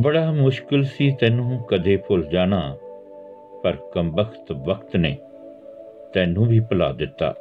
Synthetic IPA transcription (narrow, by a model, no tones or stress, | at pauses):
bəɽaːmʊʃkɪlsiːt̪ɛ̃ːnũːkəd̪eːpʰʊld͡ʒaːɽ̃aː | pəɾkəmbəkʰt̪ʋəkt̪neː | t̪ɛːnũːbʱiːpəla̰ːd̪ɪt̪ːa̰ː